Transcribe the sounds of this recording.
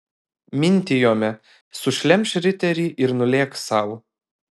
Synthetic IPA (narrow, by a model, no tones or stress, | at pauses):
mʲɪnʲˑt̪ʲɪjoːmʲɛ | sʊʃʲlʲɛmʲʃʲɾʲɪt̪ʲɛɾʲiːʔɪɾnʊlʲeːksɐˑʊ